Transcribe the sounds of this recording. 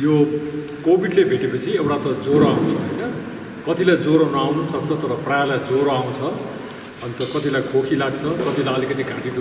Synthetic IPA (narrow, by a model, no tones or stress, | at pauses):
jo | kobiɖlebʱeʈepʌt͡sʰiewʈat̪ʌd͡zoɾoaw̃t͡sʰʌɦojnʌ | kʌt̪ilajd͡zoɾonʌawnusʌk̚t͡sʰʌt̪ʌɾʌprajalajd͡zoɾoaw̃t͡sʰʌ | ʌnt̪ʌkʌt̪ilajkʰokʰilaɡt͡sʰʌkʌt̪ilajʌlikʌt̪iɡʱaʈid̪u